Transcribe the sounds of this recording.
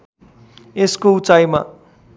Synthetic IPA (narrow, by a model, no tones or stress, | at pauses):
eskout͡sajma̰